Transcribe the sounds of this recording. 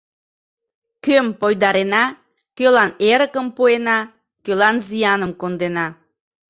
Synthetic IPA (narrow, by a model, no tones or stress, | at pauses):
kømpojd̪ɑɾenɑ | kølɑneɾəkəmpuenɑ | kølɑnzijɑnəmkond̪enɑ